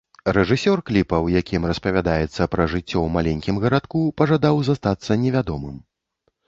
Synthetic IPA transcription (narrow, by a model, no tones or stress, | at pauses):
rɛʐɨsʲɔrklʲipɐwjakʲʰimrɐspɐvʲad̪ajɛt̪sːɐpɾɐʐɨt͡sʲːɔwmalʲɛnʲkʲimɣɐɾat̪kupɐʐad̪awzast̪at̪sːɐnʲɛvʲad̪ɔmɨm